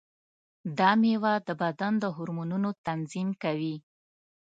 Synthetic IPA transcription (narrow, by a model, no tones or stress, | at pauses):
d̪ɑmewad̪əbad̪and̪əɦʊɾmununot̪anzimkawi